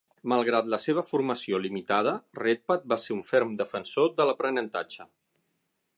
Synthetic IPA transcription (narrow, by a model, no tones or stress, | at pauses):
məlˠɣɾat̪ləseβ̞əfuɾməsiolimit̪að̞əret̪̚pət̪̚baseuɱfeɾmd̪əfənsod̪ələpɾənənt̪at͡ʃə